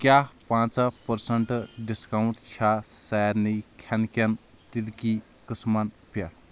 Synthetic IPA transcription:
kjapãt͡sapəɾsəɳʈɖiskauɳʈ̪t͡ʃʰasajɾnikʲʰankan | t̪ilki | kəsman | pja

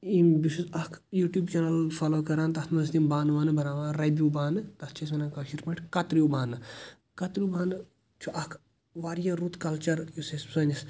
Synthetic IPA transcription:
imbisuzɐkʰjuːʈʲjuːbt͡ʃɐnɐlfʰaːloːkɐɾaːnt̪ɐt̪ʰmɐst̪imbaːnʋaːnɨbɐɾaːʋaːnɾebjuːbaːnɨt̪ɐt̪ʰt͡ʃʰɐs̬mɐnaːkɐʃiɾpɐʈʰkɐt̪ɾijubaːnɨ | kɐt̪ɾʲijubaːnɨ | t͡ʃʰuʔɐkʰ | ʋaːɾijɐɾut̪kɐlt͡ʃɐɾusessɐnʲis

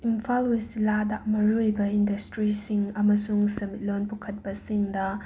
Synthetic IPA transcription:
impʰalwisiladɐmɐɾujbɐindɐstɾisiŋɐmɐsuŋsɐmit̚lonpukʰɐt̚bɐsiŋdɐ

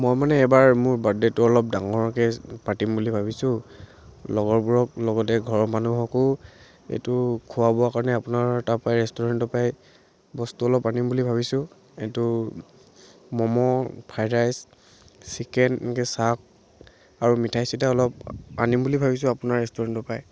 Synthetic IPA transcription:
mɔjmanɛːbaɹmʊɹbadɛtʊɔlɔp̚daŋɔɹɔkɛpatimbulibʱabisʊ̃ | lɔɡɔbuɹɔk̚lɔɡɔtɛɡʱɔɹmanuɦɔkɔ | ḛtʊkʰːuwabɔakaɹɔnɛapʊnaɹtapajɹɛstɔɹantɔpaj | bɔstuɔlɔpanimbulibʱabisʊ̃ | etʊ | mɔmɔpʰajdajs | sikɛnkɛsak̚ | aɹumitʰajsitaɔlɔp̚a̰nimbulibʱabis̬ʊ̃apʊnaɹɹɛstɔɹantɔpaj

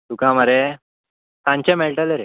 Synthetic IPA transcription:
t̪ukãmaɾe | sãɲt͡ɕẽmeɭʈəleɾe

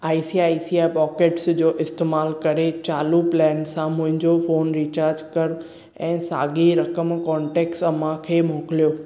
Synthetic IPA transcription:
aːisiaːisiaːpɔːkeːʈsd͡ʑoːʔɪst̪eːmaːlkɐɾet͡ɕaːluplɛːnsãmʊ̃ɦɪ̃ɲd͡ʑofoːnɾiːt͡ɕaːɾd͡ʑkɐɾ | ɛ̃ːsa̰ːɡiɾɐkəmkɔ̃ːɳʈeːksɐmãkʰeːmoːkɪlijoː

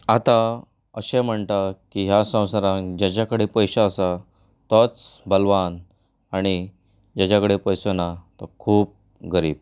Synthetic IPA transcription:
at̪a | əɕẽm̤əɳt̪akiɦjasə̃w̃saɾãd͡ʑat͡ɕakəɽepəjɕaəsa | t̪ɔt͡sbəlʋan | aɽ̃i | d͡ʑat͡ɕakəɽepəjsənat̪ɔkʰuːp̚ | ɡəɾiːb̚

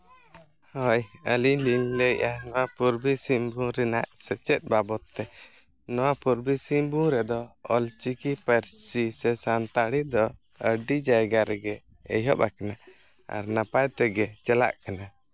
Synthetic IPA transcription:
hɔjəliliɲləʔanɔwapuɾbisimbũɾɛnaʔsɛt͡ʃɛt̪̚ˀbabɔt̪ːɛ | nɔwapuɾbisimbũɾɛd̪ɔɔlt͡ʃikipɛɾsisɛsant̪aɽid̪ɔ | əɖid͡ʒajɡaɾɛɡɛ̰ː | jɦɔ̰pakana | a̰ɾnapajt̪ɛɡɛt͡ʃɛla̰ʔkana

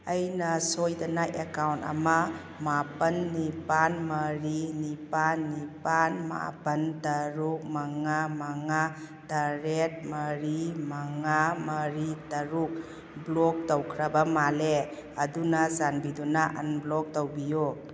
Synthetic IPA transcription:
ɐjnɐsojdɐnaʔekawntɐ̰ma | mapɐnːipanmɐɾinipanːipanma̰pɐntɐɾuk̚maŋamaŋa | taɾet̚mɐɾimaŋamɐɾitɐɾuk̚ | blɔk̚towkʰɾɐbɐmale | ɐdunazanbidunaʔɐ̰nblɔk̚towbiju

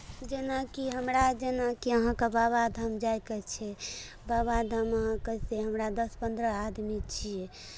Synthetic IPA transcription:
d͡ʒenakiɦəmɾad͡ʒenakiəɦãkebaβad̪ʱəmd͡ʒajkət͡ʃʰɛ | baβad̪ʱəməɦãkəseɦəmɾad̪əspənd̪ɾəad̪mit͡ʃʰije

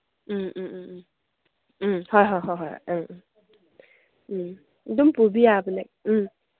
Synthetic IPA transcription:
hɔjɦɔjɦɔjɦɔjɯ | dumpubijaːbɯnɛk̩̚

